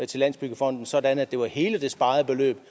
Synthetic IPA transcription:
t͡sʰelæn̰sb̥yɡ̥əfʁɒ̽n̰d̥n̩sɒ̽dænæd̥e̝ʋɑ̈he̝ːləd̥e̝sb̥ɑ̈ːð̩ˠəb̥e̝lø̰ːb̥

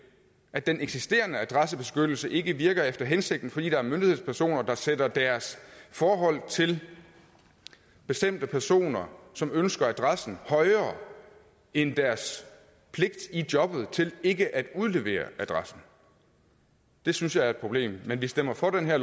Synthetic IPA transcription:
ʔæd̥enʔeɡ̥sisd̥e̝̰ːɐnəæd̥ʁɑsəb̥e̝sɡ̥ød̥l̩səʔe̝ɡ̥əʋiɐɡ̥ɐefd̥ɐɦense̝ɡ̥̚d̥n̩fɒ̽d̥ḭːd̥ɑ̈æɐmønd̥ihe̝ð̰ˠspʰæɐso̝̰ːnɐd̥ɑ̈sedɐd̥æɐsfɒːɦɒ̽l̰t͡sʰe̝l | b̥e̝sd̥em̰d̥əpʰæɐso̝̰ːnɐsɒ̽mønsɡ̥ɐæd̥ʁɑsn̩hɒ̽ɪɐː | end̥æɐs | pʰle̝ɡ̥̚d̥idjɒ̽b̥ð̞̩ˠt͡sʰe̝le̝ɡ̥əʔæd̥uð̞ˠle̝ʋe̝̰ːɐ̰ʔæd̥ʁɑsn̩ | d̥e̝synsjɑ̈ɪæɐe̝d̥̚pʰʁo̝b̥le̝̰ːmːenʋisd̥em̰ɐfɒd̥enɦæɐ̰

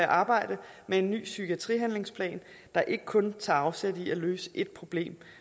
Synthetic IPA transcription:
æʔɑ̈ːb̥ɑ̈ɪ̰d̥əmee̝nːy̰ːsyɡ̥ʰiæt͡sʰʁḭːɦænle̝ŋspʰlɛ̰ːn | d̥ɑ̈ʔe̝ɡ̥ə̥kʰɔ̽nt͡sʰɑ̈ɑ̈ʊsed̥iæløːsə̥ʔe̝d̥̚pʰʁo̝b̥le̝̰ːm

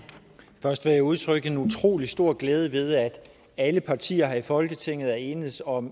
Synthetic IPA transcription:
fɶɐsd̥ʋɑjaɪuð̞ˠt͡sʰʁœɡ̥ð̩enut͡sʰʁo̝̰ːlisd̥o̝ɐ̰ɡ̥leːð̞ˠəʋe̝ð̞ˠæd̥ | æləpʰɑ̈t͡sʰḭːɐɦɑ̈ifɒ̽lɡ̥ət͡sʰeŋ̰ð̞̩ˠæe̝ːnəsɒ̽m

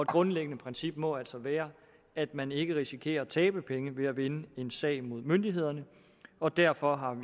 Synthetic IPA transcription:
ɒed̥ɡ̥ʁɔ̽nleɡ̥ənəpʰʁɛnsib̥̚mɒ̽æl̰sɒ̽ʋæːɐ | æd̥mæne̝ɡ̥əʁisikʰe̝̰ːɐt͡sʰɛːb̥əpʰeŋəʋe̝æʋe̝nəe̝nsɛ̰ɪmo̝ð̞̰ˠmønd̥iɦe̝ð̞̰ˠɐnə | ɒ̽d̥æɐ̰fɒ̽ɦɑ̈

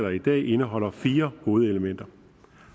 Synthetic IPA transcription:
ðˠɐid̥ɛ̰ːʔe̝nəɦɒ̽l̰ɐfiːɐho̝ːð̞̩ˠeləmen̰d̥ɐ

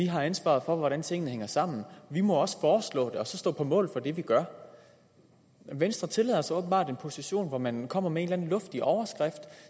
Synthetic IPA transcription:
iɦɑ̈ænsʋɑ̰̈ð̞̩ˠfɒ̽ʋɒɾænt͡sʰe̝ŋən̩əheŋɐsɑ̈m̰n̩ʋimɒ̽ɒ̽sə̥fɒːslɔ̰ːd̥e̝ɒ̽sɒ̽sd̥ɔ̰ːpʰɒ̽mɔ̰̽ːl̩ˠfɒ̽d̥e̝ʋiɡ̥ɶɐ | ʋensd̥ʁɐt͡sʰe̝lɛ̰ːðˠɐsɒɔːb̥n̩b̥ɑ̈ːde̝npʰo̝siɕo̝̰ːnʋɒmænkʰɒ̽m̰ɐmee̝ːnlæn̩lɔ̽fd̥iʔɒʊɐsɡ̥ʁɛfd̥

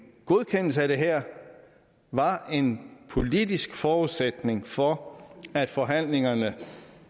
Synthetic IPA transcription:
ɡ̥o̝ð̞ˠkʰen̰l̩səæɾ̥e̝ɦæɐ̰ | ʋɑ̈e̝npʰo̝lid̥isɡ̥fɒːuðˠsed̥ne̝ŋfɒæd̥fɒ̽ɦæn̰le̝ŋɐnə

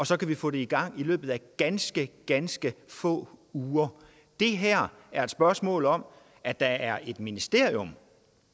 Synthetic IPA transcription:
ɒ̽sɒ̽kʰæʋifɔ̰̽ːd̥e̝iɡ̥ɑ̈ŋ̰ilø̰ːb̥ð̩ˠæɡ̥ænsɡ̥əɡ̥ænsɡ̥əfɔ̰̽ːuːɐ | d̥e̝ɦæɐ̰æɐe̝d̥sb̥ɶɐsmɔ̰̽ːlɒ̽m | æd̥ɑ̈æɐe̝d̥minisd̥e̝ɐ̰iom

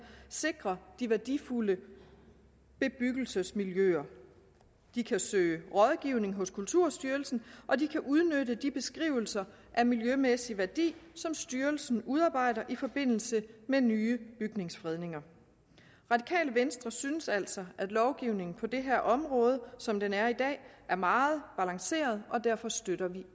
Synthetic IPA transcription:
se̝ɡ̥ʁɐd̥iʋæɐd̥ifulə | b̥e̝b̥yɡ̥l̩səsmiljøɐ | d̥ikʰæsø̰ːɪəʁɒ̽ðˠɡ̥iʊne̝ŋɦɔ̽skʰult͡sʰuɐ̰sd̥yːɐlsn̩ʔɒ̽d̥ikʰæʔuð̞ˠnødəd̥ib̥e̝sɡ̥ʁḭʊ̰l̩sɐ | ʔæmiljømesiʋæɐd̥ḭːsɒ̽msd̥yːɐlsn̩uð̞ˠɑ̈ːb̥ɑ̈ɪ̰ɾɐʔifɒ̽b̥e̝n̰l̩səmenyːəb̥yɡ̥ne̝ŋsfʁɛð̞ˠne̝ŋɐ | ʁɑ̈d̥ikʰɛ̰ːləʋensd̥ʁɐsynəsæl̰sɒ̽ʔæd̥lɒʊɡ̥iʊne̝ŋn̩pʰɒ̽d̥e̝ɦæɐ̰ʔɒ̽mʁɔ̽ːð̞ˠəsɒ̽md̥enæɐid̥ɛ̰ːʔæɐmɑ̈ːð̞̩ˠb̥ælɑ̈ŋse̝̰ːɐð̩ˠɒ̽d̥æɐ̰fɒ̽sd̥øɾ̥ɐʋi

